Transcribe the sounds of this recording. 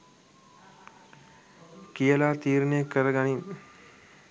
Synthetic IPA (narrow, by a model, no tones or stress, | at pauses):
kijəlaːt̪iːɾnəjəkəɾəɡani